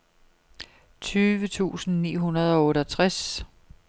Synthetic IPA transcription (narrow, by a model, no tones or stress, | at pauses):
t͡sʰyːʋət͡sʰṵːsn̩nḭːɦunɐð̞ˠɒ̽ɔːɾəɒt͡sʰʁas